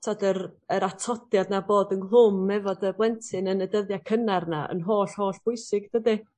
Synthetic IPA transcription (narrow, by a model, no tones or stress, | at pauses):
tʰadərəɾatʰɔdjadnaboːdənlˠʊmːɛvɔdəblˠɛntʰɨnənədəðjakʰənarnaə̰nɦoːɬhoːɬb̥ʊɨsɪɡd̥ədɪ